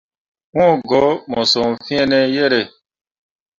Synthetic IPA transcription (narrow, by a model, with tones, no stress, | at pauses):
ŋɔ̃˦˨ɡɔ˨˦mɔ̃˨sɔ˨m̩˨fĩ˦ɛ˦nɛ̃˦jɛ˦ɾɛ˨